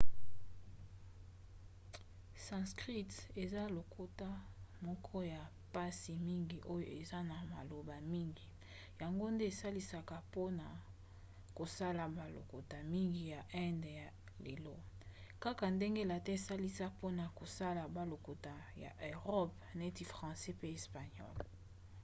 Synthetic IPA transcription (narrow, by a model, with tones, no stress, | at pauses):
sã˨skʁi˦tse˨za˦lo˨kʰo˦ta˦mɔ˦kʰɔ˦ja˨ | pa˦si˨mi˦ŋɡi˨ʔo˦jo̰˨e˨za˦na˨ma̰˨lo˨ba˨mi˦ŋɡi˨ | ja˨ŋɡo˦nde˦e˨sa˦li˦sa˦ka˨po˦na˨ | ko˨sa˦la˨ba˨lo̰˨ko˨ta˨mi˦ŋɡi˨ja˨ʔɛ˦ndja˨ | le˨lo˦ | ka˦ka˨nde˦ŋɡe˦la˨tɛ˦e˨sa˦li˦sa˦po˦na˨ko˨sa˦la˨ba˨lo˨ko˨ta˨ja̰˨ʔe˨ʁɔ˦p | na˨e˦ti˨fʁɑ̃˨sɛ˦pe˦e˨spa˨ɲɔ̰˦˨l